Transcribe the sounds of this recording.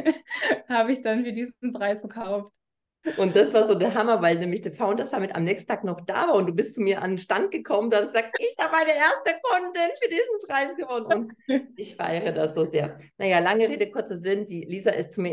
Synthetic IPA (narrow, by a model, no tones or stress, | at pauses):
haːbəɪçd̥anfyːɐdiːzn̩pʁ̥aɪsfɛɐkʰaʊft | ʔʊnt̚d̥asv̥aːɐzoːdɛːɐɦamɐvaɪlnɛːmlɪçd̥eːfaʊntd̥asd̥amɪta̰mnɛːkstn̩tʰaːknɔχd̥a̰ːvaːɐʊntd̥uːbɪstt͡sumiːɐʔa̰ndenʃtant̚ɡ̥əkʰɔmənduasəz̥aːk̚sɪçhaːbəmaɪnəʔeːɐstəkʰʊndɪnfyːɐdiːzn̩pʁ̥aɪsɡ̥əvɔnənʊntʔɪçfa̰ʔɛʁədasz̥oːzḛːɐnajaːlaŋəʁeːdəkʰʊɐt͡səzɪnd̥iːliːzaʔɪstt͡sumiːɐ